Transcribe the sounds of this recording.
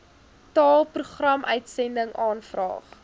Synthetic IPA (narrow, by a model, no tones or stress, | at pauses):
tɑːlˠpruχrɐmœɥtsɛndəŋɑːnfrɑ̰ːχ